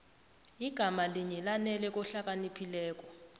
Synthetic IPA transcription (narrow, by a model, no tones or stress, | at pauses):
iɡ̥ʱamaliɲɛlanɛlɛk̬ʼɔɬak̬ʼanipʰilɛːk̬ʼɔ